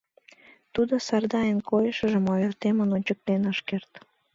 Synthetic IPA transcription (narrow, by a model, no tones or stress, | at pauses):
t̪ud̪osɑrd̪ɑjenkojəʃə̆ʒəmoørt̪emənonʲt͡ɕək̚t̪enɑʃkert̪